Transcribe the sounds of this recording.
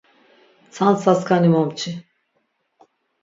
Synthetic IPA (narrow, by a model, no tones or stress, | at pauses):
t͡sʰansaskʰanimɔmt͡ʃʰi